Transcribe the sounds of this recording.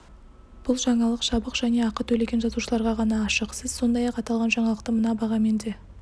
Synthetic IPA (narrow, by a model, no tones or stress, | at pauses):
b̥ʊlˠʒɑɴɑlˠəqʃɑbəqʒ̥æne̞ɑqət̪ʰɵle̞ɡʲe̞nʒɑzuʃəlˠɑɾʁɑʁɑnɑːʃəqsəz̥so̞nd̪ɑjɑqɑt̪ɑlˠʁɑnʒɑɴɑlˠəqt̪əmənɑbɑʁɑme̞nd̪e̞